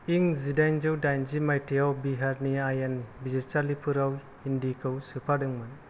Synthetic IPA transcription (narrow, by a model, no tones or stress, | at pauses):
iŋzidajnzɯwdajnzimajtʰiawbiɦaɾniajanbizetaɾlipʰɯɾaw | indikʰɯwsɯpʰadɯŋmɯn